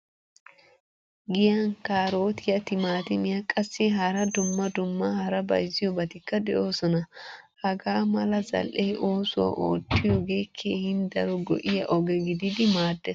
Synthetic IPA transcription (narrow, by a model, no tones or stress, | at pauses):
ɡɪjɐnkaːɾo̞ːt̪ɪjɐt̪ɪmaːt̪ɪmɪjɐkʼɐsːɪɦɐɾɐd̪ʊmːɐd̪ʊmːɐhɐɾɐbɐ̰jzɪjɔbɐt̪ɪkːɐd̪ɛʔo̞ːsɔnɐ | hɐɡaːmɐlɐzɐ̰lʔejʔo̞ːsʊwɐ̰ʔo̰ːt̪ːɪjɔɡe̞ːkʰːeːhɪnd̪ɐɾɔɡɔ̰ʔɪjɐʔɔɡɛɡɪd̪ɪd̪ɪmaːd̪ːɛs